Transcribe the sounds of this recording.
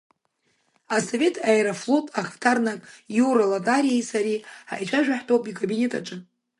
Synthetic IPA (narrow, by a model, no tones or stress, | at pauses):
asove̞tʰaeɾaflotʼʰaχftʰarnakʼjuɾalatʼaɾijajsaɾia̰jt͡ʃʷʼaʒᶣaħtʰʼowpʼikʼabinʲe̞tʼa̰ʈ͡ʂʼɨ